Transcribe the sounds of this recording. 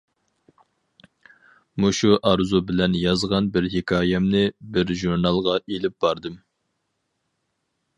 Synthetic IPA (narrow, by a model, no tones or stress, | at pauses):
muʃuʔɑɾzubɪlɛnjɑzʁɑnbɪɾhekʰɑːjɛmnɨbɪɾʒuɾnɑlˠʁɑʔelɪp̚b̥ɑɾd̪ɨm